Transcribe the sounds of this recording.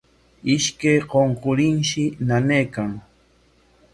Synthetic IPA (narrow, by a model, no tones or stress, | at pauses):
ɪʃkajqoɴqʊɾɪnʃɪnanejkaŋ